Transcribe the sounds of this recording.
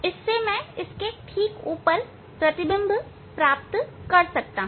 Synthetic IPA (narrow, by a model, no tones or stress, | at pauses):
ɪsːemɛ̃ɪskeʈʰiːkuːpəɾ | pɾɐt̪ɪbə̃mb | pɾaːp̚t̪kɐɾsɐk̚t̪a